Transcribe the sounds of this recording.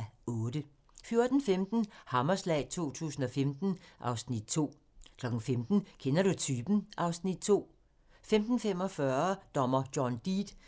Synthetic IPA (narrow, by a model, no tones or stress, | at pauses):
ɔ̽ːd̥ə | fjo̝ɐd̥n̩femd̥n̩hɑ̈mɐslɛ̰ɪt͡sʰo̝̰ːt͡sʰṵːsn̩ɒ̽femd̥n̩ʔɑ̈ʊsnid̥̚t͡sʰo̝̰ː | kʰlɒ̽ɡ̥n̩femd̥n̩kʰenɐɾ̥ut͡sʰyːb̥n̩ʔɑ̈ʊsnid̥̚t͡sʰo̝̰ː | femd̥n̩fem̰ɒ̽fɶɐd̥ɒ̽mɐd̥jɒnd̥iːd̥